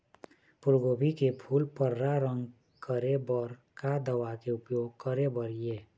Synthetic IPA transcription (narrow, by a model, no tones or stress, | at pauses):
pʊɾɡoːbʱikepʰuːlpəɾːaɾə̃ŋɡ | kəɾebəɾkad̪əwakeʊpjoːɡ̚kəɾebəɾjeː